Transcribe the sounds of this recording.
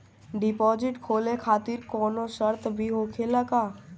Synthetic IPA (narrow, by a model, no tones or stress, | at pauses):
ɖɪpɔːd͡ʒɪʈkʰoːlekʰaːt̪ɪɾkɔːnosəɾt̪ʰbʱiɦoːkʰeːlakaː